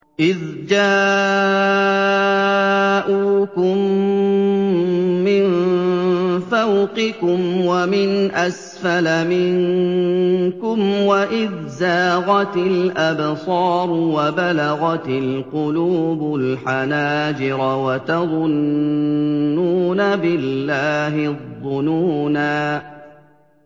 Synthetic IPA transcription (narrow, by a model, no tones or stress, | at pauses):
ʔɪðd͡ʒaː | ʔuːkʊm | ɪn | fawqɪkʊmwamɪnʔas | falamɪŋ | kʊmwaʔɪðzaːɣɑt̪ɪlʔabsˤɑːɾˤwabalaɣɑt̪ɪlqʊluːbʊlħanaːd͡ʒɪɾɑwat̪ɑðˤʊn | uːnabɪlːaːɦɪðˤːʊnuːnaː